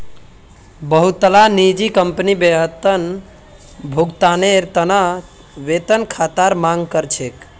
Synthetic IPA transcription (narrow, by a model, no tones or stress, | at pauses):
bəɦut̪ːəlanid͡ʒikəmpənibeɦət̪ən | bʱuɡt̪aneɾt̪əna | ʋet̪ənkʰat̪aɾmaŋɡkəɾt͡ʃʰek